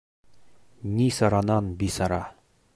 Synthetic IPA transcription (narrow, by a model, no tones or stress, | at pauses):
nʲisɑɾɑnɑnbisɑɾɑ